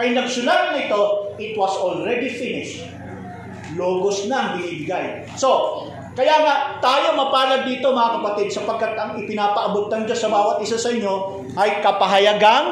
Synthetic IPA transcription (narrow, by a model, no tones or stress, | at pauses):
ɐjnɐɡsʊlat̪̚ːɐnɪt̪o̞ɪt̪wɐsolɹɛd̪ifinɪʃ | loːɡosnɐʔɐŋbɪniːbɪɡaj | so̞ | kɐjaːŋaʔt̪aːjo̞mɐpaːlɐɡ̪̚d̪iːt̪o̞mɐŋakɐpɐt̪id̪̚sɐpɐɡ̚kːat̪ɐŋɪpɪnaːpɐʔɐbot̪̚ːɐnd͡ʒasɐbaːwɐt̪̚ʔɪsasɐʔɪɲːo̞ | ʔɐjkɐpɐɦɐjɐɡan